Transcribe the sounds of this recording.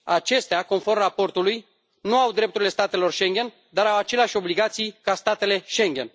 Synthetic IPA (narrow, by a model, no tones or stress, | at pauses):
at͡ʃe̞st̪eako̞nfo̞rmrapo̞rt̪uluj | nuawd̪ɾept̪uɾile̞st̪at̪e̞lo̞rʃe̞ŋɡʲe̞n | d̪aɾawat͡ʃe̞leaʃʲo̞bliɡat̪sijkast̪at̪e̞le̞ʃe̞ŋɡʲe̞̰n